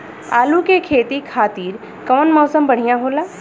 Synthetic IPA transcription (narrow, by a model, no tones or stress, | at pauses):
a̰ːlukekʰeːt̪ikʰaːt̪iːɾ | kɔʋnmɔːsəmbɐɽ̤ijãɦoːlaː